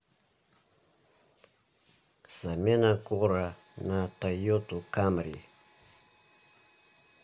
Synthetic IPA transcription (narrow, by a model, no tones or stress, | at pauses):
z̥amenakoɾa | natajot̪ukamɾḭ